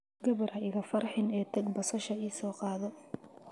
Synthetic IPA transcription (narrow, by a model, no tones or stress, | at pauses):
ɡɐβɐɾɐɪɣɐfɐrħɪnɛːt̪ʰɐɡ̚bɐsɐʃɐiːsɔːqɑːðɔ